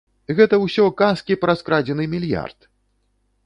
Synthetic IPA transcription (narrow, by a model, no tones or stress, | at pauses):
ɣɛt̪ɐwsʲɔkaskʲipɾɐskɾad͡zʲɛnɨmʲilʲja̰rt̪̚